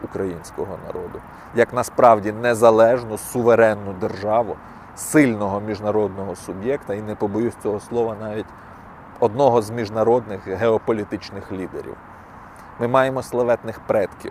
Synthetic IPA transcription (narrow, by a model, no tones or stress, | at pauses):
ukɾɐjinʲsʲkɔɦɔnɐ̰ɾɔd̪ʊ | jɐknɐspɾɑwdʲinezɐlˠɛʒnʊsʊʋeɾɛnːʊd̪erʒɑʋʊ | sɪlʲnɔɦɔmʲiʒnɐɾɔd̪nɔɦɔsʊbjɛkt̪ɐinepɔbɔjusʲt͡sʲɔɦɔslˠɔʋɐnɑʋʲitʲ | ɔd̪nɔɦɔzmʲiʒnɐɾɔd̪nɪxɦeɔpɔlʲit̪ɪt͡ʃnɪxlʲid̪ḛɾʲḭw | mɪmɑjemɔslˠɐʋɛt̪nɪxpɾɛt̪kʲḭw